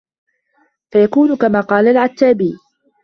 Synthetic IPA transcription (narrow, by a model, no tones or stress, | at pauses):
fajakuːnʊkamaːqɑːlalʕat̪ːaːbiː